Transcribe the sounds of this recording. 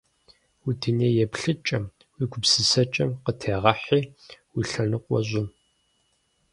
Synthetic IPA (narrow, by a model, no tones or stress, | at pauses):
udineːjɛpɬɨt͡ʃʼɐm | wiːɡʷʊpsɨsɐt͡ʃʼɐmqətʰeːʁɐħiːwiɬɐnɨqʷʼɔ̰ʑʷʼʊm